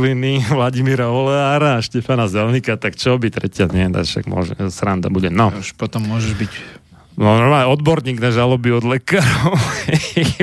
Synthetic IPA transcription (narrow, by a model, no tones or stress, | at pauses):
liniʋlaɟimiɾaɔlɛaɾaːʃcɛfanazɛlnikat̪akt͡ʃɔbit̪ɾɛcɪaɲɛt̪a̰ʃa̰ɡmʊɔ̰ʒɛ̰sɾand̪a̰buɟɛnɔuʃpɔt̪ɔmːʊɔʒɛʒbic | nɔɔaɔd̪bɔɾɲiːɡnaʒalɔbiɔd̪lɛkaːɾɔʊhhɛ